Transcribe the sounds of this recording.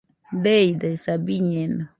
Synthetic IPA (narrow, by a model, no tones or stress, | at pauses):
d̪ejd̪asabiɲena